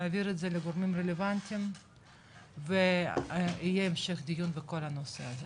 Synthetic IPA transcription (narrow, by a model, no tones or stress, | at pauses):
aviɾed̪zɛleɡoɾmimrelevant̪ʲim | ve | ijeːmʃeχd̪ijunveko̞lhanoseaze